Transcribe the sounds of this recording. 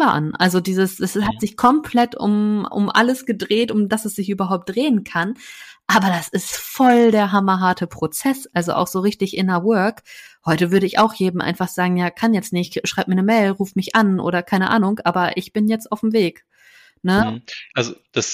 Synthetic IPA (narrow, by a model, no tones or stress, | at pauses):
aʔa̰nʔalzodiːzəsɛshatz̥ɪçkʰɔmpʰl̥ɛtʊ̰mʔʊ̰mʔa̰ləsɡ̥ədʁeːtʊmdasɛsz̥ɪçʔyːbɐɦaʊp̚t̚d̥ʁeːənkʰanʔaːbɐdasɪstfɔldeːɐɦamɐɦaɐtʰəpʁ̥ot͡sɛsʔalzo̰ʔa̰ʊxz̥oːʁɪçtɪçʔɪnɐwœɐkhɔʏtəvʏɐɾəɪça̰ʊxjeːdm̩ʔa̰ɪnfaχz̥aːɡŋ̩jaːkʰanjɛt͡stnɪççʃʁ̥aɪp̚miɐnəmɛɪlʁuːfmɪçʔanʔo̰ːɾɐkʰaɪnəʔa̰ːnʊŋkʔaːbɐʔɪçb̥ɪnjɛt͡staʊfm̩veːk | nəʔalzod̥as